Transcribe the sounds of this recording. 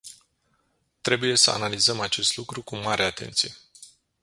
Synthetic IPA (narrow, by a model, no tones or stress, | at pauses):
t̪ɾe̞buje̞səa̰nalizəmat͡ʃe̞st̪lukɾukumaɾʔeat̪e̞̰nt̪sije